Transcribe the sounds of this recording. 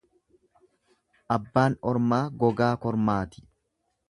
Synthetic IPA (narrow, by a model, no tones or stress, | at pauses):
ʔɐbːaːnɔɾmaːɡɔɡaːkɔɾmaːt̪ɪ̥